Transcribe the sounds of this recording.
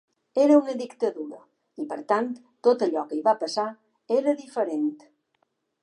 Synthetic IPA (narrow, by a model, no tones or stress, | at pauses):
eɾəunəðikt̪əðuɾə | ipəɾt̪ant̪ːot̪əʎɔkəiβapəsa | eɾəðifəɾent̪